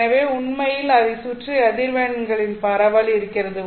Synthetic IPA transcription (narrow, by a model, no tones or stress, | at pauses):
ɐʋeːʊɳmɐjɪlɐðɪsuːʈriɐðɪɾʋeːɳɐŋɡɐɭɪnpɐɾɐʋɐlɪɾɯkːɪrɐðɯ